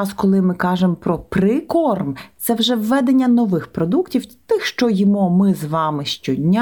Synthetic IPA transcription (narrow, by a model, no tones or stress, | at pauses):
ɑskɔlˠɪmɪkɑʒempɾɔpɾɪkɔrmt̪sɛwʒɛʋːɛd̪enʲːɐnɔʋɪxpɾɔd̪uktʲiwt̪ɪxʃt͡ʃɔjɔmɔmɪzʋɑmɪʃt͡ʃʲɔdʲnʲa